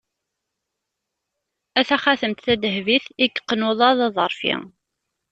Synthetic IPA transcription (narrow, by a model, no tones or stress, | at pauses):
æθæχaθəmt̪θæd̪əhviθiɡqːənʊðˤɑðˤɑðˤəɾˤfḭŋ